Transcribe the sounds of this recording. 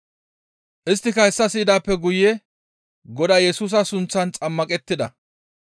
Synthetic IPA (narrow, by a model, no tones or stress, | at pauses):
ʔɪst̪ːɪkɐhɛsːɐsiːd̪aːpːɛɡʊjɛ | ɡɔd̪ajɛsuːs̬ɐsʊnt͡sːɐnt͡sʼɐmːɐkʼɛt̪ːɪd̪ɐ̰